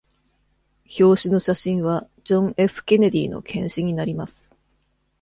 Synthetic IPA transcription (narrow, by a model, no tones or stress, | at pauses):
ço̞ːɕino̞ɕaɕĩɰ̃βa | d͡ʑõ̞ŋe̞ɸɯ̟̥kʲe̞ned̪ʲiːno̞̰kʰẽ̞ɰ̃ɕiɲ̟inaɾʲimasɨ̥